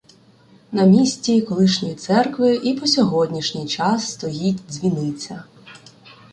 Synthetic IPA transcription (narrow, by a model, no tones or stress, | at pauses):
nɐmʲisʲt͡sʲikɔlˠɪʃnʲɔjit̪sɛrkʋɪʔipɔsʲɔɦɔdʲnʲiʃnʲɪjt͡ʃɑsːt̪ɔjitʲzʲʋʲinɪt͡sʲɐ